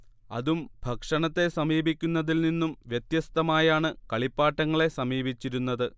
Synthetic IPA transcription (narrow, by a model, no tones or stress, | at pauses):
ɐ̰ðumbʱɐkʂɐɳɐt̪ːe̞sɐmiːbʱikʲːunːɐðilninːumʋjɐt̪jɐst̪ɐmaːjaːɳɨkɐɭipːaːʈːɐŋːɐɭe̞sɐmiːbit͡ɕːiɾunːɐðɨ